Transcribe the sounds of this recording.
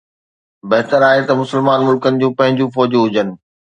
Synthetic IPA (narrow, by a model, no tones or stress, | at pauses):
bɐɦt̪əɾaːɦet̪ɐmʊsəlmaːnmʊlkənɪ̆d͡ʑũːpɐ̃ɦɪ̃ɲd͡ʑũːfɔːd͡ʑuɦʊd͡ʑənɪ̆